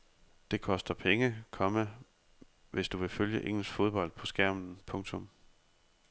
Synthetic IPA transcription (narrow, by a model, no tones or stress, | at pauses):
d̥e̝kʰɒ̽sd̥ɐpʰeŋəkʰɒ̽mə | ʋe̝sd̥uʋe̝føljəʔeŋ̰l̩sfo̝ð̞ˠb̥ɒ̽l̰d̥̚pʰɒ̽sɡ̥æɐ̰mn̩pʰɔ̽ŋt͡sʰɔ̽m